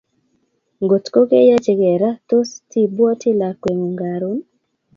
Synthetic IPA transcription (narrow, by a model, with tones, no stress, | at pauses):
ŋɡo˨tko˦ke˦ja˦t͡ʃe˨ɡɛ˨ɾa˦to˦sti˦bwɔ˦tʰi˦la˨kwe˨ŋu˨ŋɡa˨ɾo˦n